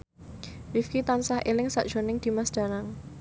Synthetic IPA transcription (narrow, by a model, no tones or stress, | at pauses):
wifkit̪ansahʔelɪŋsa̰ʔd̥ʒ̥o̤nɪŋd̪̥i̤masd̪̥ä̤naŋ